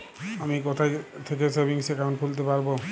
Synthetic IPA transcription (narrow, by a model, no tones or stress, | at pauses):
amikɔt̪ʰajt̪ʰekesebiŋsekanpʰult̪̬epaɾbo